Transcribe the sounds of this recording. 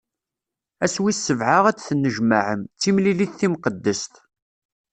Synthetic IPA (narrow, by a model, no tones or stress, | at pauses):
æswisːəvʕaʁæt͡sθənːəʒmaʕəmt͡sːimliliθθimqəd̪ːəst̪